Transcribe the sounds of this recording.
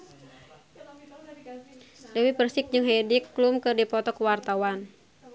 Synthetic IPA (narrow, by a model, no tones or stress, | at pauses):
dɛwipərsɪk̚d͡ʒɨŋɦɛdikːlumkɨrdipɔt̪ɔkəwart̪awan